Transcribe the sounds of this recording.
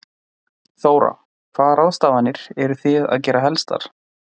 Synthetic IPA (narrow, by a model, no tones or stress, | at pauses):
θoːwɾa̰ | kʰvaːðɾaːwst̪aːvanːɪɾ̥ɛɾʏθɪða̰ðcɛːɾaɦɛlst̪a̰ɾ̥